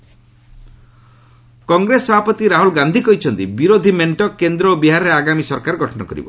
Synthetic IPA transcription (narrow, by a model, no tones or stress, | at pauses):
kɔŋɡɾesɔbʱapɔt̪iɾaɦulɡand̪ʱikɔɦit͡ʃʰɔnt̪ibiɾod̪ʱimeɳʈɔkend̪ɾɔobiɦaɾɔɾeaɡamisɔɾkaɾɡʱɔʈɔnɔkɔɾḭbɔ̰